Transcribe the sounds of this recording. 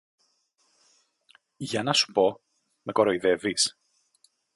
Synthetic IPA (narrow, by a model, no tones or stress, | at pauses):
ʝɐnɐsu̥po̞ | me̞koɾo̞iðe̞vis